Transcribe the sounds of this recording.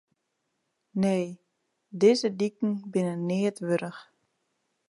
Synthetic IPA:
neː | dezədikŋ̩bɪnənɪətʋøɾəx

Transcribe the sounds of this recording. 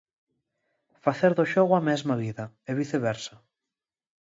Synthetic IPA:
faθeɾðoʃoɣwamɛzmaβiðɐ | eβiθeβɛɾsɐ

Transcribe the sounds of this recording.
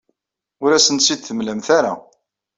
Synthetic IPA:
ʊɾæsənsid̪θəmləmθaɾa̰

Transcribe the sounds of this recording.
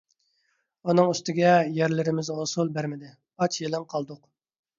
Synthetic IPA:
unɨŋyst̪ɪɡʲɛjæɾlɪɾɪmɪzosulˠbæɾmɪd̪ɪ | ɑt͡ʃjelˠɪŋqʰɑlˠd̪ʊq

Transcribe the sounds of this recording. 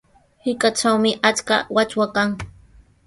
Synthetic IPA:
hɪkʼat͡ʃawmɪʔat͡ʃka̰wat͡ʃwakaŋ

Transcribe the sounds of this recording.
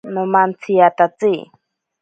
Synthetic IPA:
nomant͡sʰiat̪at͡si

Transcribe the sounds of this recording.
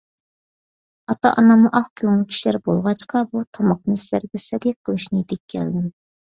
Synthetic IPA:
ɑt̪ɑ̰ʔɑnɑmuʔɑχkʲʰowŋˠɨkʲʰi̥ʃlæɾbolˠʁɑt͡ʃqʰɑbut̪ʰɑmɑq̚nɨslæɾɡʲɛsɛd̪ʲɛqʰːəlˠɨʃnɨd̪ɛkʲʰːɛ̰ld̪ɪm

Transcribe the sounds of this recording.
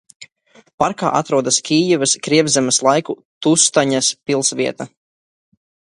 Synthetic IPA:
paɾka̰ːʔat̪ɾuɔd̪askʲiːjɛvɐskɾiɛbzɛmɐslˠajku | t̪ust̪aɲaspilˠsviɛt̪a

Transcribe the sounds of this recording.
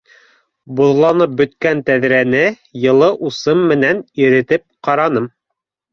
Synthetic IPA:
buðlˠɑnɤp̚bɵ̆t̪kænt̪æðɾænɘ | jɤ̆lˠɤʔusɤmːɘ̆næniɾɘ̆t̪ɘp̚qɑɾɑnɤm

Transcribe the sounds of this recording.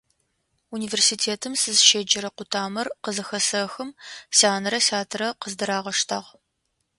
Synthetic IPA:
uniːveːrsiːtʰeːtʰɨmsɨzʃeːd͡ʒɐɾɐqʷʊtʰaːmɐrqəzɨxɐsɐxɨmsaːnɐɾɐsaːtʰɨɾɐqəzdɨɾaːʁɐʂtʰɐʁ

